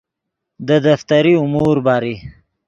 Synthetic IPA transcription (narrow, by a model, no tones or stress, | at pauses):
d̪əd̪aft̪aɾiʊmuɾbɑɾi